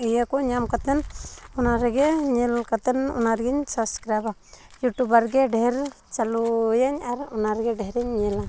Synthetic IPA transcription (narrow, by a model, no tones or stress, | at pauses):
ijekɔɲamkat̪ɛnunaɾɛɡɛɲilkat̪ɛnṵnaɾɡiɲsabskɾajba | juʈubaɾɡɛɖɛɛɾ | t͡ʃalujaɲaɾunaɾɡɛɖɛɦɾɛɲːila